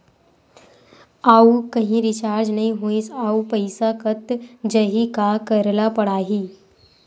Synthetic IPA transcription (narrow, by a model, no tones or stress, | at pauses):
aukəɦĩɾit͡ɕaɾd͡ʒnaɦĩɦoisaupəjsakət̪d͡ʒəɦikakəɾlapəɽaːɦiː